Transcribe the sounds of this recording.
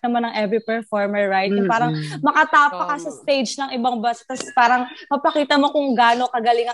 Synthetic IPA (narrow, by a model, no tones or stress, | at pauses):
ɐmanːɐŋʔɛvɾipɛɹfoɹmɛɹːajt̪̚ʊŋpaːɾɐŋmɐkɐt̪aːpɐkɐsɐst̪ejd͡ʒnɐŋʔɪbɐŋbɐsɐ̥t̪ːɐspaːɾɐŋmɐpɐkiːt̪ɐmokʊŋɡaːno̞kɐɡɐlɪŋɐ